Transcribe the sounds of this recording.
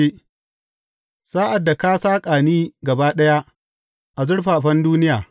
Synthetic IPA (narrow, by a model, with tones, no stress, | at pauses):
i˦ | saː˦ʔa˨dːa˨ka˦saː˦kʼaː˨niː˦ɡɐ˨baː˦ɗɐ˦ja˦ʔ | ʔa˨zʊ˦ɽɸaː˨ɸɐ˦nduː˦nɪ˦jaː˨